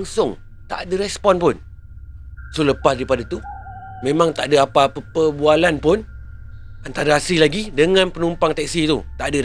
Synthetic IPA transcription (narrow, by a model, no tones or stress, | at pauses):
ŋsʊŋ | t̪a̰ʔdəɾɛspɔnpʊn | suləpasdaɾipadat̪u | mẽmãŋt̪aʔadəapapəpəbualanpʊn | ant̪aɾaasilaɡidəŋãnpənumpaŋt̪ɛk̚sit̪ut̪aʔdə